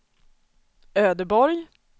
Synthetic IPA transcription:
øːd̪əbɔɾj

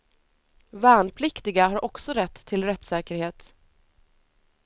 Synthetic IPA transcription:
vɛːnpʰlɪkt̪ɪɡaɦaɾʔɔksɔɾɛt̪ʰːɪlɾɛt̪ːsɛːkəɾheːt̪

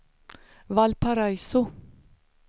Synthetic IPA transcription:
valpʰaɾajsʊ

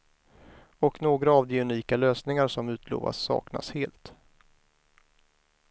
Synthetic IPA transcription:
ɔknoːɡɾaːvd̪ɛɵniːkaløːsnɪŋaɾʂɔmʉ̟ːt̪ʰlo̰ːva̰sːɑ̰ːkna̰sheːlt̪

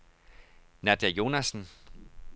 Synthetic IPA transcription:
næd̥æjo̝næsn̩

